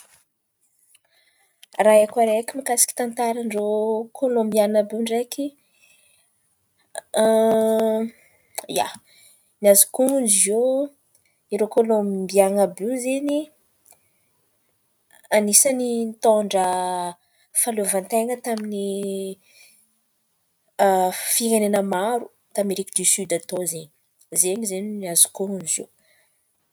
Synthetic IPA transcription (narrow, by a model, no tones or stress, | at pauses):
raakaɾekimikasi̥ki̥t̪ant̪aɾənrokʰolombianabuɳɖ͡ʐekʲi | ja̰ | niazikuund͡ʒio | iɾokolombianabuzeni | anisənint̪oɳɖ͡ʐə | falovant̪eŋət̪amini | fiŋenenəmaɾu | t̪ameɾikəd̪isyd̪at̪ozeɲi̥ | zenizeniniazu̥kound͡ʒo̰w